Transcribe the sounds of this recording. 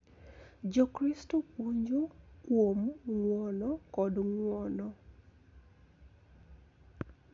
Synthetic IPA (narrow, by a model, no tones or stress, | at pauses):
d͡ʒɔkɾistouɲd͡ʒowomŋwɔnɔkɔdŋwɔnɔ